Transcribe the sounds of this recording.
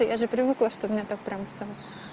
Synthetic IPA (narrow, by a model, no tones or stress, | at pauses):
ojʔaʐɨpɾʲɪvɨklˠɐʂt̪obmnʲet̪ak̚pɾʲamfssʲo